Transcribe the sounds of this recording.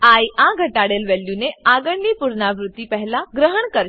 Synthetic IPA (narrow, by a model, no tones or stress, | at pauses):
ajʔãɡʱəʈaɽelʋeljuneaɡəɳlipuɾnaʋɾut̪ːipəɦlaɡɾəɦəɳkəɾ